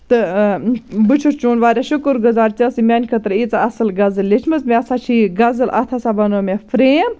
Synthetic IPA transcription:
t̪ɨ | bɨt͡ʃʰut͡ʃuːnʋaːɾʲaʃukɨɾɡʊzaːɾt͡ʃɐsimʲanʲkʰɐt̪ɾɨit͡saɐsɨlɡɐzɨlːet͡ʃʰmɨzmẽɐsat͡ʃʰiːɡɐzɨlɐ̰t̪ʰasabɐnoːmʲefɾeːm

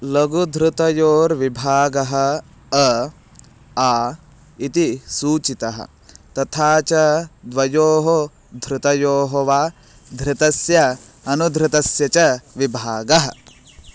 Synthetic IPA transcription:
lɐɡud̪ʱɾɪt̪ɐjoːɾʋibʱaːɡɐɦɐ̆ | aː | it̪isuːt͡ʃit̪ɐɦɐ̰ | t̪ɐt̪ʰaːt͡ʃɐd̪ʋɐjoːɦo | d̪ʱɾɪt̪ɐjoːɦoʋaː | d̪ʱɾɪt̪ɐsjɐɐnud̪ʱɾɪt̪ɐsjɐt͡ʃɐʋibʱaːɡɐɦɐ̰̆

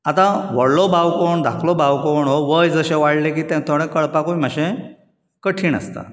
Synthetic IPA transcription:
at̪ãʋəɽlɔbawkoɳd̪ʱakʰlɔbawkoɳɦoʋəjd͡zəɕeʋaɽlekiːt̪ɛ̃t̪ʰoɽ̃ẽkəɭpakoiməɕẽ | kəʈʰiːnə̰st̪a̰

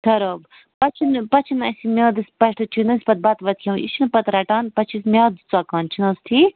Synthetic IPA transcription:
t̪ʰɐɾob | pɐt͡ʃʰinpɐt͡ʃʰinɐsʲimʲoːd̪ɨsʲpɐʈʰɨt͡ʃʰinɐsʲpɐt̪̚bɐt̪ʋɐt̪̚kʲʰɐ̃ḭʃinɨpɐt̪ɾɐʈaːnpɐt͡ʃʰismʲaːd̪t͡sakaːnt͡ʃʰinɐst̪ʰi

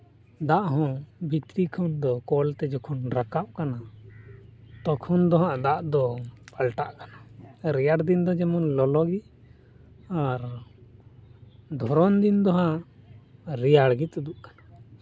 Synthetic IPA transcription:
d̪aʔɦɔ̃bit̪ɾikʰɔnd̪ɔkɔlt̪ɛd͡ʒɔkʰɔnɾakaʔkana | t̪ɔkʰɔnd̪ɔɦaʔd̪aʔd̪ɔpalʈaʔkanaɾɛjaɽd̪ind̪ɔd͡ʒɛmɔnlɔlɔɡi | aɾ | d̪ʱɔɾɔnd̪ind̪ɔɦaʔ | ɾɛjaɽɡit̪ud̪uʔkḁna

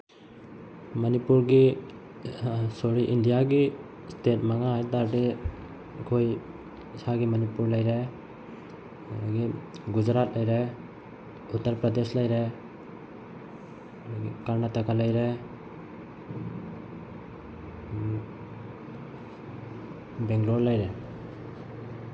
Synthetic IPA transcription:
mənipuɾɡi | soɽiʔindijaɡi | stʰet̚maŋaɦajd̪aɾde | kʰoj | saɡimənipuɾlajɾɛ | ɡiɡud͡ʒɾat̪lajɾɛ | ut̪ːəɾpɾad̪eslajɾe | kaɾnatakʰalajɾe | bɛŋɡloɾlajɾɛ

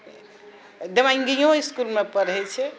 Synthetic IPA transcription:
d̪emaiŋɡijõiskulmepəɾɛt͡ʃʰɛ

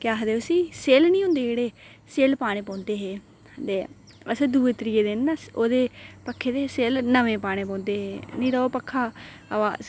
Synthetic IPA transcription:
kɪaːɦəd̪eːʊsiːseːlnĩːɦʊ̃nd̪eːd͡ʒeːɽeː | seːlpaːɽ̃ẽːpɔ̃ːnd̪eːɦeː | əd̪eː | əsẽːd̪uːeːt̪ɾiːeːd̪eːnːaoːd̪eːpəkʰːeːd̪eːseːlnəʋẽːpaːɽ̃eːpɔ̃ːnd̪eːɦeːnĩːɾəːoːpəkʰːaː | əʋaːs

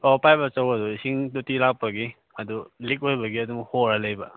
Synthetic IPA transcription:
ɔpajbɐt͡ʃawɐd̪uisiŋtutilak̚paɡi | ad̪ulik̚ojbɐɡiɐd̪uŋhoɾalɐjba

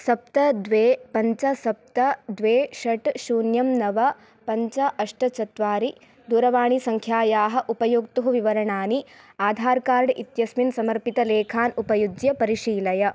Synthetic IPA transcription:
sɐp̚t̪ɐd̪ʋeːpɐɲt͡ʃɐsɐp̚t̪ɐd̪ʋeːʃɐʈʃuːnjɐmnɐʋɐ | pɐɲt͡ʃɐʔɐʂʈɐt͡ʃɐt̪ʋaːɾi | d̪uːɾɐʋaːɳisɐŋkʰjaːjaːɦɐ̆ʔupɐjuːkt̪uɦuʋiʋɐɾɐɳaːni | aːd̪ʱaːɾkaːɾɖʔit̪jɐsminsɐmɐɾpit̪ɐleːkʰaːnupɐjud͡ʒ̪jɐpɐɾiʂiːlɐjɐ

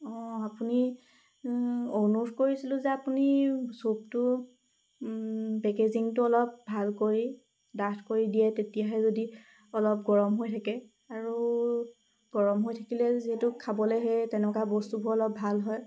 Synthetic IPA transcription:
ɔ̃apuni | onutʰkoɹisilʊ̃zɛapunisop̚tʊ | pɛkeziŋtʊɔlɔp̚bʱalkoɹi | datʰkoɹidijɛtetijaɦɛzodi | ɔlɔp̚ɡɔɹɔmɦojtʰakɛ | aɹu | ɡ̥ɔɹɔmɦojtʰakilɛziɦɛtʊkʰabɔlɛɦɛtɛnɛkabɔstubʱɔɔlɔb̚bʱalɦɔj

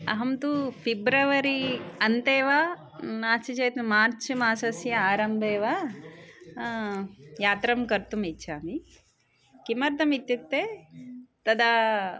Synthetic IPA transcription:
ɐ̰ɦɐmt̪upʰibɾɐʋɐɾiɐnt̪eːʋa | naːt͡ʃit͡ʃɐjt̪umaːɾt͡ʃmaːsɐsjɐaːɾɐmbʱeːʋa | jaːt̪ɾɐmkɐɾt̪umitːʃʰaːmi | kimɐɾt̪ɐmit̪juk̚t̪eː | t̪ɐd̪ɐ

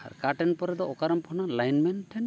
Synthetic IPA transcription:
a̰ɾkaʈɛnpɔɾɛd̪ɔɔkaɾɔmpʰɔnalajnmɛnʈʰɛn

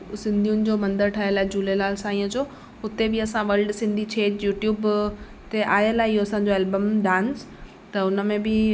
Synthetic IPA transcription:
sɪ̃nd̪ʱijʊnɪ̆d͡ʑoːmɐ̃nd̪əɾʈʰaːɦijəlaːed͡ʑuːlelaːlsãːĩːəd͡ʑo | ɦʊt̪ebɪɐsãʋɐlɖsɪ̃nd̪ʱit͡ɕʰeːd͡ʑjuːʈjuːb | t̪eʔaːjəlaːɦeɪɦoɐsãːɲ̆d͡ʑoeːlbəmɖãːns | t̪ɐʊnə̆mẽbɪ

